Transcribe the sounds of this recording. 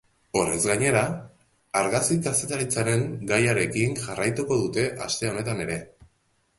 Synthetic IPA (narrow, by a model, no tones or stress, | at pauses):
o̞re̞zɣaɲe̞ɾa | aɾɣaskikase̞t̪aɾit͡saɾe̞ŋɡajaɾe̞kiŋʝarajt̪uko̞ðut̪e̞ʔa̰st̪e̞o̞ne̞t̪ane̞ɾe̞